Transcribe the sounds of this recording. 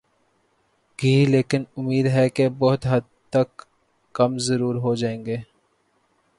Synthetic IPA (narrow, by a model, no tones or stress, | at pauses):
ɡʱiːleːkɪnʊmiːd̪ɦɛkebɔɦʊt̪ɦɐd̪̚ | t̪əkː | ɐmzəɾuːɾɦoːd͡ʒaːẽːŋɡeː